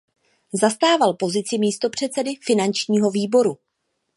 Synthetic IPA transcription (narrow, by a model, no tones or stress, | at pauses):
zast̪aːvalpo̞zɪt͡sɪmiːst̪o̞pr̝̥ɛt̪t͡sɛdɪfɪnant͡ʃɲiːɦo̞viːbo̞ɾu